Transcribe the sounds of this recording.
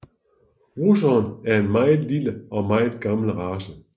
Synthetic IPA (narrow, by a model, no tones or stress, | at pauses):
ʁusɒnæɐe̝nmɑ̈ɪð̩ˠliləɒ̽mɑ̈ɪð̩ˠɡ̥ɑ̈ml̩ʁɑːsə